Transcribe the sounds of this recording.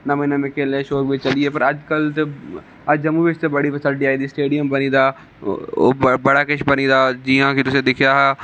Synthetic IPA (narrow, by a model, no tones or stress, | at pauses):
nɐmĩnəmɪkelẽʃoːkbʱit͡ʃɐliepɐɾɐd͡ʒkɐlt̪e | ɐd͡ʒɐmuʋɪʃt̪ebɐɽiʋɐsəɖiaːid̪iːsʈeːɖijəmbɐnĩːd̪aː | o̰bɐɽakɪʃʰbɐnid̪aːd͡ʒiːãkʰit̪ʊsẽd̪ɪkʰijaɦaː